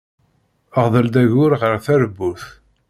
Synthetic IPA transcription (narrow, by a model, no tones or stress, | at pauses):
əʁðˤəld̪æʝʊɾʁəɾθæɾəbːuθ